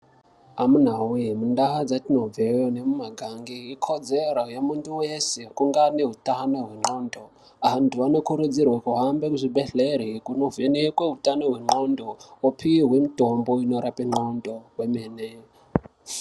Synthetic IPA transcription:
amunaɦumundaɦad͡zatino̞b͡vejonemumaɡʱaŋɡiːkʰod͡zeɾajamunduwesekuŋɡaneɦutano̞ɦwe̞ŋ͡ǃoːndo | antʰuano̞kuɾud͡zirwakuɦambe̞kuʐibeɬeɾikuno̞venekweutano̞ɦwe̞ŋ͡ǃondoopʰiwiɦwe̞mutomboino̞ɾapeŋ͡ǃondoɦwemene

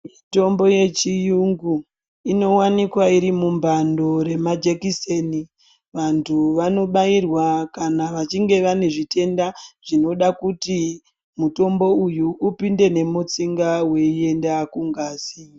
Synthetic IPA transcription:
mito̞mbo̞je̞t͡ʃijuŋɡu | ino̞wanikwaiɾimumbando̞ɾe̞mad͡ʒekiseni | ʋantʰuʋano̞ɓairwakanaʋat͡ʃiŋɡe̞ʋane̞ʐite̞ndaʐino̞ɗakuti | muto̞mbo̞ujuːpinde̞ne̞mut͡siŋɡawe̞ie̞ndakuŋɡaːsi

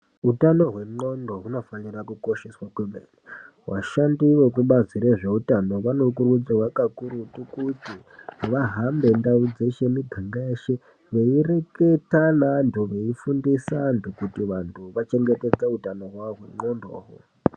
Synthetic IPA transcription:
utano̞ɦwe̞ŋ͡ǃo̞ndoɦuno̞fanirakuko̞ʃeswakwemḛni | wa̰ʃandiʋo̞kuɓaziɾeʐe̞utano̞ʋano̞kurud͡ziwakakuɾutukuti | ʋaɦambe̞ndaud͡ze̞ʃe̞miɡʱaŋɡaeʃe | ʋeire̞ke̞tanantʰuʋe̞ifundisandokutiʋantʰuʋat͡ʃe̞ŋɡe̞te̞d͡zeutano̞ɦwaɦwe̞̰ŋ͡ǃo̞ndo̰ːwo̰

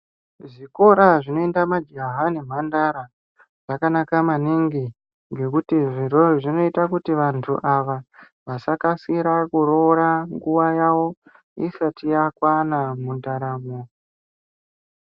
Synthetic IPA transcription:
ʐiko̞ɾaʐino̞endamad͡ʒaɦane̞m̤andaɾa | ʐ̥akanakamaniŋɡi | ŋɡe̞kutiʐiɾoʐino̞itakutiʋantʰuʔaʋa | ʋasakasiɾakuɾoɾaŋɡuwajawo̞ | isatijakwanamundaɾaːmo

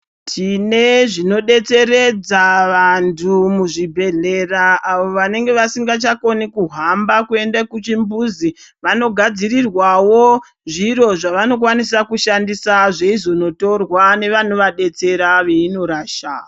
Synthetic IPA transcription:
tʰine̞ʐino̞ɗe̞t͡se̞ɾe̞d͡zaʋantʰumuʐibʱe̞ɮe̞raːʋo̞ʋane̞ŋɡe̞ʋasiŋɡat͡ʃako̞nikuɦambakue̞ndakut͡ʃimbuzi | ʋano̞ɡʱad͡zirirwawo̞ | ʐiɾo̞ʐaʋano̞kwanisakuʃandisaʐeizono̞to̞rwane̞ʋan̤oʋaɗe̞t͡se̞ɾaʋe̞ino̞ɾaːʃa̰

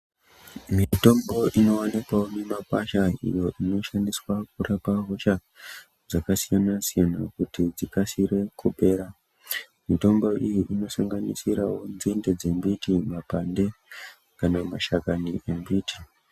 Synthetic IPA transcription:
mito̞mbo̞ʔino̞wanikwawonemakwaʃaḭjo̞ʔino̞ʃandiswak̚urapaɦo̞ʃa | d͡zakasijanasijanakutid͡zikasire̞kubʱe̞ːɾa | mito̞mbo̞ʔijiʔino̞saŋɡanḭsiɾawo̞nzinde̞d͡zembitimapande̞ | kanamaʃakaniʔembiːti

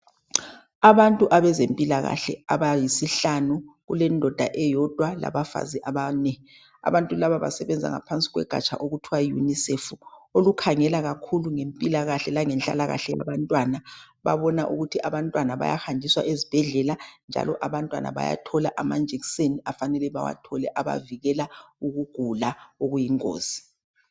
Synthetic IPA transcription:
aβantʼuʔaβɛzempʼilaɣa̰ɬɛ̰aβajisiɬanuɣulɛndʱɔd̥ʱaʔɛjɔd̥ʱwala̰βafa̰ziʔaβanɛ | a̰βantʼulaβaβa̰sɛβɛnd͡zʱa̰ŋa̰pʰant͡sʼiɣwɛ̰ɡ̥ʱa̰t͡ʃʼʰa̰ʔoɣutʰiwajṵnisefuolukʰaŋɛlaɣakʰuluŋempʼilaɣaɬɛlaŋɛnɬʼa̰laɣa̰ɬɛja̰βantʼwana | βa̰βɔnaʔuɣutʰiʔaβantʼwanaβa̰ja̰xandʱiswa̰ʔezib̥ʱɛɮɛland͡ʒʱa̰lɔʔaβantʼwa̰na̰βa̰ja̰tʰɔlaʔamand͡ʒʱikseniafanɛlɛβawa̰tʰɔlɛʔaβa̰viɣɛlauɣuɡ̥ʱulaoɣujiŋkʼo̰ːz̥i̥

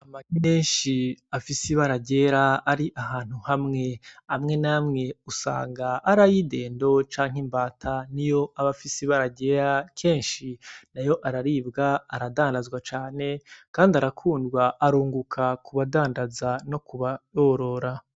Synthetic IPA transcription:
amaɡimeːnʃiafisiβaɾaɟe̞ːɾaːɾiʔahaːn̥huhamŋe̞amŋe̞naːmŋe̞usa̰ːŋɡaʔːɾajide̞ːndo̞t͡ʃaːŋ̥imbaːtʰanijo̞ʔaβafisiβaɾaɟe̞ɾakʰe̞ːnʃinajo̞ʔaɾaɾiːbɡaːɾadaːndazɡwat͡ʃaːne̞kaːndaɾakʰuːndɡwaʔːɾuːŋɡukʰakʰuβadaːndazano̞kuβaɾoːɾo̞ɾa

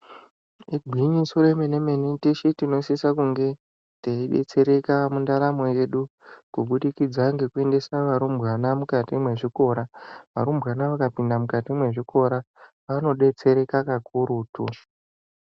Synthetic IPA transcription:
iɡʱiɲisoɾemene̞me̞nitiʃitino̞sisakuŋɡe̞ | teiɗe̞̰t͡se̞ɾe̞kamundaɾamo̞je̞ɗukuɓuɗikid͡zaŋɡe̞kue̞nde̞saʋaɾumbɣwanamukatimwe̞ʐiko̞ɾaʋa̰ɾumbwanaʋakapindamukatimwe̞ʐiko̞ɾa | ʋano̞ɗe̞t͡se̞ɾe̞kakakuɾuːtu

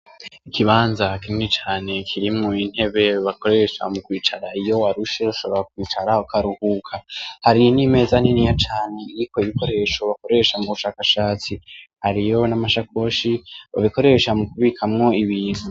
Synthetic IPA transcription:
ikʰiβaːnzakimŋet͡ʃaːne̞kʰiɾimŋoin̥he̞βe̞βako̞ɾe̞ʃa̰mukwiːt͡ʃaɾaijo̞waɾuʃeaʃo̞βo̞ɾak̚wiːt͡ʃaɾaokʰaɾuhuːkʰahaɾinime̞ːzaninijat͡ʃaːne̞iɾiko̞iβiko̞ɾe̞ːʃo̞βako̞ɾe̞ʃamuβuʃaːkaʃaːt͡sihaɾijo̞namaʃako̞ʃiβa̰βiko̞ɾe̞ʃamukuβiːkʰamŋo̞iβiːnu

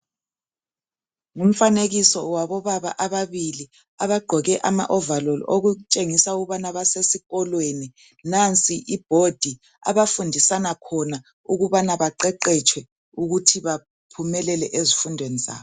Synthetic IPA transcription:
ŋum̩faneɣisɔwaβɔβaβa̰ʔaβaβili | aβaɡ͡ǃʱɔɣɛʔama̰ʔɔvalɔloɣut͡ʃʼeŋisauɣuβanaβasesiɣɔlweni | nant͡sʼiʔib̥ʱod̥ʱi | a̰βafundʱisanakʰɔna | uɣuβanaβaǃɛǃɛt͡ʃʰʼwɛ | uɣutʰiβa | pʰumɛlɛlɛʔezifundʱweniza̰ːβɔ

